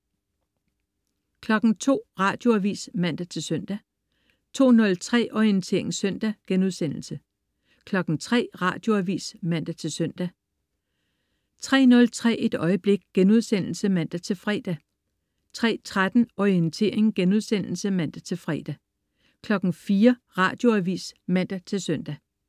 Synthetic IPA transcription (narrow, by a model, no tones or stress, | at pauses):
kʰlɒ̽ɡ̥ŋ̩t͡sʰo̝̰ːʁɑ̈ːd̥jo̝æʋḭːsmæn̰d̥æt͡sʰe̝lsœn̰d̥æ | t͡sʰo̝̰ːnɔ̽lt͡sʰʁɛ̰ːʔɒient͡sʰe̝̰ɐ̰e̝ŋsœn̰d̥æɡ̥enuð̞ˠsen̰l̩sə | kʰlɒ̽ɡ̥ŋ̩t͡sʰʁɛ̰ːʁɑ̰̈ːd̥jo̝æʋḭːsmæn̰d̥æt͡sʰe̝lsœn̰d̥æ | t͡sʰʁɛ̰ːnɔ̽lt͡sʰʁɛ̰ːe̝d̥ɒ̽ɪəb̥le̝ɡ̥ɡ̥enuð̞ˠsen̰l̩səmæn̰d̥æt͡sʰe̝lfʁɛ̰ːd̥æ | t͡sʰʁɛ̰ːt͡sʰʁad̥n̩ɒiənt͡sʰe̝̰ːɐ̰e̝ŋɡ̥enuð̞ˠsen̰l̩səmæn̰d̥æt͡sʰe̝lfʁɛːd̥æ | kʰlɒ̽ɡ̥n̩fiːɐʁɑ̰̈ːd̥jo̝æʋḭːsmæn̰d̥æt͡sʰe̝lsœn̰d̥æ